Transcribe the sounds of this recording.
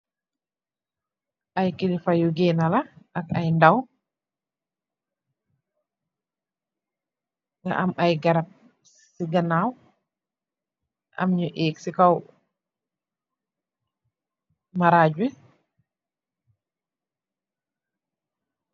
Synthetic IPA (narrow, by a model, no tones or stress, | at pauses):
ʔajkilifajuɡɛnalaakajndaw | ŋɡa̰ʔamajɡaɾap̚ | ssiɡanaw | ʔa̰mɲɔʔeksikaw | maɾaːd͡ʒɛ